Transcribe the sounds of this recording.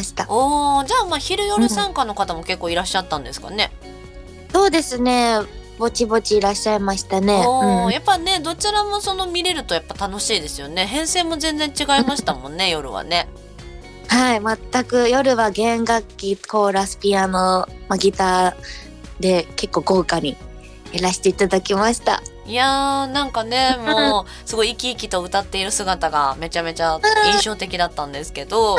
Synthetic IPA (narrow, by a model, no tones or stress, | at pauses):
aɕi̥t̪aoːd͡ʑaːmaçiɾɯ̟jo̞ɾɯ̟sãŋkano̞kat̪amo̞ke̞kːoːiɾaɕːat̪ːãnd̪e̞sɨ̥ka̰ne̞ | so̞ːd̪e̞sɨne̞bo̞t͡ɕibo̞t͡ɕiːɾaɕːaimaɕi̥t̪ane̞oːjapːane̞d̪o̞t͡ɕiɾamo̞so̞no̞mʲiɾe̞ɾɯ̟t̪o̞japːat̪ano̞ɕiːd̪e̞sɨjo̞ne̞ɦẽ̞ɰ̃se̞ːmo̞zẽ̞nd͡zẽ̞ɲt͡ɕiɡaimaɕi̥t̪amõ̞nːe̞jo̞ɾɯ̟̰βa̰ne̞ | haimat̪ːakɯ̟jo̞ɾɯ̟βaɡẽ̞ŋɡakʲːiko̞ːɾasɨ̥pʲianomaɡʲit̪aː | d̪e̞ke̞kːo̞ːɡo̞ːkaɲ̟i | eɾaɕi̥t̪e̞it̪ad̪akʲimaɕi̥t̪a̰ | janãŋkane̞moː | sɨɡo̞iːkʲiːkʲit̪o̞ɯ̟t̪at̪ːe̞iɾɯ̟sɨɡat̪aɡa̰me̞t͡ɕame̞t͡ɕaĩɰ̃ɕo̞ːt̪e̞kʲid̪at̪ːãnd̪e̞sɨ̥ke̞d̪o̞